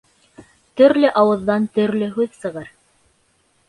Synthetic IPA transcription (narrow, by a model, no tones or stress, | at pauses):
t̪ɵ̆ɾlɘʔɑwɤ̆ðːɑnt̪ɵ̆ɾlɵɦʉðsɤ̆ʁɤɾ